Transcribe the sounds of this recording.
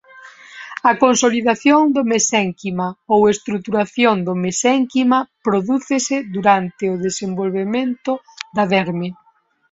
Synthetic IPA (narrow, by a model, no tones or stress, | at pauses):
ɐkonsoliðaθjoŋd̪omesɛŋkimaowest̪ɾuk̚t̪uɾaθjoŋd̪omesɛŋkimapɾoðuθɪsɪðuɾant̪ɪʊðesembolβemẽnt̪ʊ | d̪ɐðɛɾmɪ